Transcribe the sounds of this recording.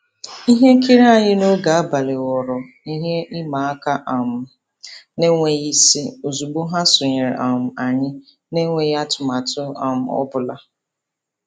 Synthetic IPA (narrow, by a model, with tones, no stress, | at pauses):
i˦ɦe˦ki˦ɾe˦a˨ɲɪ˦no˦ɡa˨a˦ba˨le˨wɔ˨ɾɔ˨ | i˦ɦe˦ɪ˦ma˨a˦ka˦ʔa˨mʊ˨ | ne˦ŋʷe˦ji˦si˦o˨zu˨ɡ͡bʊ˦ɦa˦sʊ˨ɲe˨ɾa˨m̩˨a˨ɲɪ˦ | ne˦ŋʷe˨ja˦tʊ˨ma˨tʊ˦a̰˨m̩˨ɔ̰˦bʊ˨la˨